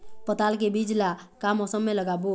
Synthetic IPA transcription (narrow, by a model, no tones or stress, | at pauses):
pət̪alk̬ebid͡ʒlakamɔsəmːeləɡabo